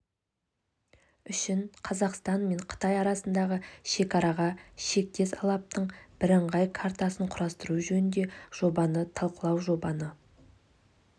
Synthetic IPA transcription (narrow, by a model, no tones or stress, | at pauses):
ʏʃɪnqʰɑzɑqst̪ɑnme̞ɴqʰə̥t̪ɑjɑɾɑsənd̪ɑʁəʃe̞kɑɾɑʁɑʃe̞k̚t̪e̞sɑlˠɑp̚t̪əɴb̥ɪɾəɴʁɑjkʰaɾt̪ɑsəɴqʰʊɾɑst̪əɾuʒɵnɪnd̪e̞ʒ̥o̞bɑnət̪ʰɑlˠqəlˠɑwʒo̞bɑnə